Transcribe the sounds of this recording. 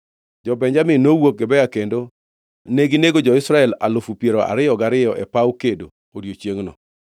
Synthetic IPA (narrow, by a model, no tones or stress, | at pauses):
d͡ʒɔbɛɲd͡ʒamɪnowok̚ɡɛbɛjakendo | neɡineɡod͡ʒɔɪsɾaɛla̰lʊfupjeɾoʔa̰ɾɪjɔɡaɾɪjɔʔɛpawkedo̰ | oɾjot͡ʃjeŋnɔ̰